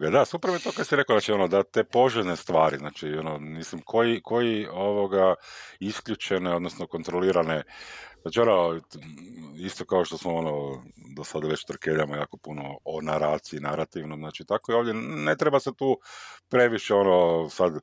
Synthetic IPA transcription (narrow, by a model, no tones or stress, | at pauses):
ɡad̪asupɾmet̪okasiɾe̞koznaːt͡ʃio̞nod̪at̪e̞po̞ʒelnest̪ʋaːɾiznaːt͡ʃionomislimkʰo̞jiko̞jioʋo̞ɡaiskʎʲut͡ʃeneod̪nosnoko̞nt̪ɾoliːɾaneznaːt͡ʃio̞no | ist̪o̞kao̞ʃt̪o̞smoonod̪osad̪aʋet͡ʃt̪ɾ̩keʎamojaːko̞punoonaɾaːt̪siinaɾat̪iʋnoznaːt͡ʃit̪akoio̞ːʋd̪ʲjene̞t̪ɾebaset̪uːpɾe̞ʋiʃeo̞nosad̪